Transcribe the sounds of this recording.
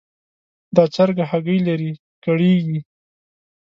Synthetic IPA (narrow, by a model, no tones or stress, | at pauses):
d̪ɑt͡saɾɡahaɡəjlaɾi | kaɽeɡi